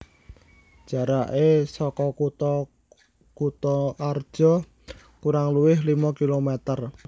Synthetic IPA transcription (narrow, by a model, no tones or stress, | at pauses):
d͡ʒ̥a̤ɾaʔesɔkɔkut̪ɔ | kut̪ɔʔard̥ʒ̥ɔ̤ | kuɾaŋluwɪɦlimɔkilomɛt̪ər